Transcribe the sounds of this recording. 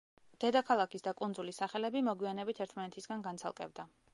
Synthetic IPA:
d̪̥ɛd̪akʰalˠakʰisd̪akʼund̪zulisaχɛlɛbimɔɡwianɛbit̪ʰɛɾt̪ʰmanɛt̪ʰisɡanɡant̪sʰa̰lˠkʼɛ̰bd̪a

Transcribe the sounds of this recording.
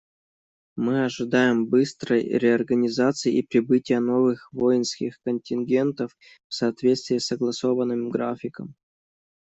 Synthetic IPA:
mɨɐʐɨd̪ajɪmbɨst̪ɾəjɾʲɪɐrɡənʲɪzat̪sɨɪʔipɾʲɪbɨtʲɪjəno̞vɨxvo̞jɪnskʲɪxkənʲtʲɪnɡʲe̞nt̪əf | fsɐːt̪vʲe̞t̪st̪vʲɪːsːəɡlˠɐso̞vənːɨmɡɾafʲɪkə̰m

